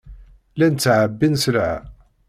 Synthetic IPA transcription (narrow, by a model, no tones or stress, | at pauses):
lænət͡sːʕəbːinslʕ̰